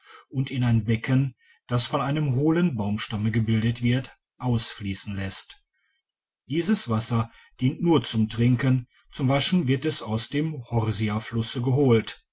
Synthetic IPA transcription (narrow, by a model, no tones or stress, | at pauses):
ʔʊntɪnaɪnbɛkʰən | d̥asfɔnaɪnəmɦoːlənbaʊmʃtaməɡəbɪldətv̥ɪɐt | ʔaʊsfliːsn̩lɛst | d̥iːzəsv̥asɐ | d̥iːntnuːɐt͡sʊmtʁ̥ɪŋkən | t͡sʊmvaʃn̩vɪɐtɛsaʊsd̥eːmhɔʁziaflʊsəɡəɦoːlt